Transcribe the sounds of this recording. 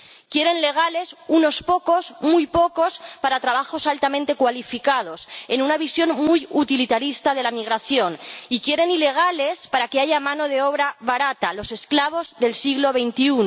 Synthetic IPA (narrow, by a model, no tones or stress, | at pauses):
kje̞ɾe̞nle̞ɣ̞ale̞suno̞spo̞ko̞smujpo̞ko̞spaɾat̪ɾaβaxo̞salt̪amẽnt̪e̞kwalifikað̞o̞se̞nunaβ̞isjo̞nmujut̪ilit̪aɾist̪að̞e̞lamiɣ̞ɾaθjo̞nikje̞ɾe̞nile̞ɣ̞ale̞spaɾakeaʝamãno̞ð̞e̞oβ̞ɾaβaɾat̪alo̞se̞sklaβ̞o̞zðe̞lsiɣlo̞β̞e̞jnt̪iuno